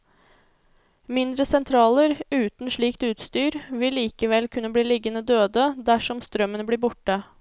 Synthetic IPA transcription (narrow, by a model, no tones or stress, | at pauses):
mɪnd̪ɾəsɛnt̪ʰɾɑːləɾʉːt̪n̩ʂɭiːkt̪ʉːt̪st̪yːɾʋɪlːiːkəʋɛlkʰʉnːəbliːlɪɡənəd̪øːd̪əd̪æʂɔmst̪ɾœmːənəbliːɾbʊʈːə